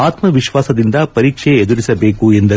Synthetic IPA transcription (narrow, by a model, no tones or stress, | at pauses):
aːt̪mɐʋɪʃʋaːsɐðɪnd̪ɐpɐɾiːkʂeɛðuɾɪsɐbeːkuɛnd̪ɐ